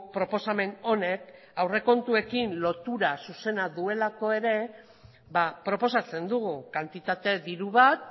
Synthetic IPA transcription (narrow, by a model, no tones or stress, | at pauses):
pɾo̞po̞same̞no̞ne̞k | awre̞ko̞nt̪ue̞kinlo̞t̪uɾasuse̞naðue̞lako̞e̞ɾe̞ | βapɾo̞po̞sat͡se̞nd̪uɣukant̪it̪at̪e̞ðiɾuβat̪̚